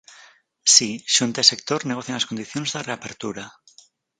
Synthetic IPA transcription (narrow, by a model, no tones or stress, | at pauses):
siʃunt̪esek̚t̪oɾne̞ɣo̞θjaenlasko̞nd̪iθjo̞nezðereape̞ɾt̪uɾa